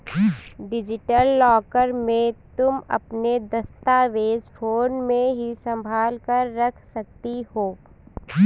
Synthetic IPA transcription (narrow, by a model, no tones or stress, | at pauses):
ɖɪd͡ʒɪʈəlːɔːkəɾmẽt̪ʊmɐ̰pned̪ɐst̪aːʋeːzpʰoːnmẽɦisɐ̃mbʱaːlkəɾːɐkʰsɐk̚t̪ihoː